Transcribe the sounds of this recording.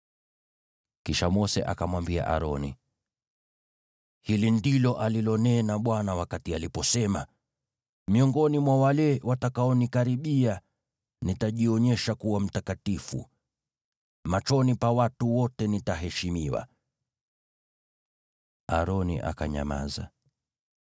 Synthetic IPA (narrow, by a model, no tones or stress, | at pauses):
kiʃamɔsɛ̰ʔa̰kamwambia̰ʔa̰ɾɔnḭ | hilindilɔʔalilɔnɛnaɓwanawakatialipɔsɛma | miɔŋɡɔnimwawalɛwatakaɔnikaɾiɓia | nitaʄiɔɲɛʃakuwam̩takatifṵ | mat͡ʃɔnipawatuwɔtɛnitaɦɛʃimiwa̰ | aɾɔnḭʔa̰ka̰ɲa̰ma̰za̰